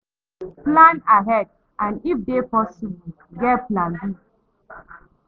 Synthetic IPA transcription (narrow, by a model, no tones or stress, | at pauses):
plãnaɦɛd̚ | ʔãnifdepɔsibu | ɡɛtplãnbi